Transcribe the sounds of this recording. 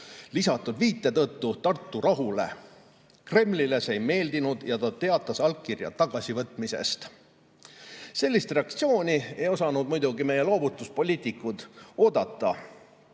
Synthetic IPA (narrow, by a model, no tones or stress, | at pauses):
lisɑt̪ːˑud̪viːt̪ːˑe̞t̪ɤt̪ːut̪ɑrt̪ˑːuɾʔɑɦule̞̰ | kre̞mlilesejme̞ːld̪inud̪̥jɑt̪ɑt̪e̞ɑt̪ːˑɑsɑlk̚kːirjɑ̰t̪ːɑɡ̥ɑsivɤt̪ːˑmise̞̰st̪ | se̞lʲːist̪re̞ɑk̚t̪sio̞ːnʲie̞jo̞sɑnud̪mujd̪uɡime̞je̞lo̞ːbut̪ːˑuspo̞lʲiːt̪ˑikːˑud̪̥o̞ːd̪ɑt̪ːˑɑ